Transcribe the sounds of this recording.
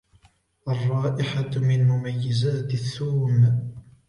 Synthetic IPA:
ʔɑrˤːɑːʔɪħamɪnmʊmajːɪzaːt̪aθːuːm

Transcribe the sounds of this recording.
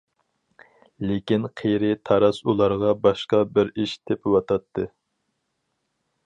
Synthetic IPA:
lɪkʲinqʰejɾɪt̪ʰɑɾɑsulˠɑɾʁɑbɑʃqɑbɪɾiʃt̪ʰɪpʰɪwɑt̪ʰɑt̪ʰːɨ

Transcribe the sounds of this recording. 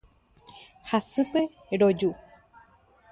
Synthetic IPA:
hasɨpe | ɾod͡ʒu

